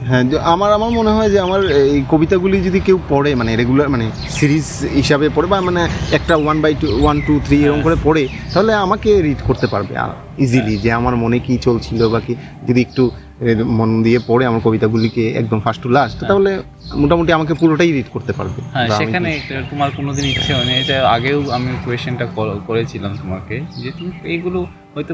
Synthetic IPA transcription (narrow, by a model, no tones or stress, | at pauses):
ɦɛ̃amaɾamaɾmoneɦɔed͡ʑeamaɾejkobit̪aɡulid͡ʑod̪ikewpɔɽemaneɾeɡulaɾmane | siɾizɦiʃabepɔɾebamaneɛk̚ʈawanbajwanʈut̪ʰɾieɾoŋkoɾepɔɽet̪aɦoleamakeɾiʈkoɾt̪epa̰ɾbḛa̰ | izilid͡ʑeamaɾmonekit͡ɕolt͡ɕʰilobaki | d͡ʑod̪iek̚ʈu | mond̪iepɔɽeamaɾkobit̪aɡulikeɛ̰k̚d̪omfʰasʈulaʃt̪aɦole | moʈamoʈ̬iamak̬epuɾoʈajɾiʈkoɾt̪epa̰ɾbeɦɛ̃baʃaemikʰanet̪omaɾkonod̪iniʃʰeonet͡ɕaaɡewamikuesʃanʈakokoɾet͡ɕʰilamt̪omaɾked͡ʑet̪umejɡulo | ɦɔjt̪o